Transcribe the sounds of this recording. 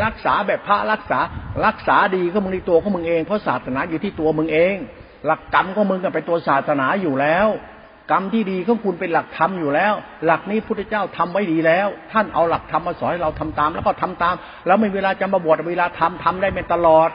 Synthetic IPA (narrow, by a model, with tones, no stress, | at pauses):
ɾa˦˥k̚saː˩˦bɛː˨˩pʰːa˦˥ɾa˦˥˩k̚saː˩˦˥ɾa˦˥k̚saː˩˦diː˧kʰɔ˥˩mɯ˧ŋt̪iː˥˩t̪u˧ɐkʰɔː˨˥ŋmɯ˧ŋʔeː˧ŋpʰɔ˦˥˩saː˨˩t̪̚sa˧naː˨˦juː˨˩t̪ʰiː˥˩t̪u˧ɐmɯ˧ŋʔeː˧ŋ | la˨˩kːa˧mkʰɔː˧˥˩mɯ˧ŋka˧˨˩pa˧jt̪u˧ɐ˧saː˨˩t̪̚sa˧naː˨˩˦juː˨˩lɛː˦˥w | ka˧mt̪ʰiː˥˩diː˧kʰɔː˥˩˨ŋkʰu˧npe˧nla˨˩k̚t̪ʰa˧mjuː˨˩lɛː˦˥w | la˨˩k̚niː˦˥pʰu˥˩t̪ʰːɛ˧˥t͡ɕaː˥˩wt̪ʰa˧mwa˥˩jdiː˧lɛː˦˥˩wt̪ʰa˥˩nʔa̰˧wla˨˩k̚t̪ʰa˧mʔaː˧˩sɔː˦nha˥˩jɾa˧wt̪ʰa˧mt̪aː˧mlɛː˦˥˩kɔ˥˩t̪ʰa˧mt̪aː˧m | lɛː˦˥wmi˧˩weː˧laː˧t͡ɕa˧mba˧bu˨˩t̪̚ʔweː˧laː˧t̪ʰa˧mt̪ʰa˧mdaː˥˩jma˧nt̪a˧lɔː˨˩t̪̚